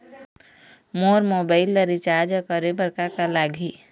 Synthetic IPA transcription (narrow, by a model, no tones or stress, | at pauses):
moːɾmoːbaːɪlːəɾit͡ʃaːɾd͡ʒkəɾebəɾkakalaːɡʱi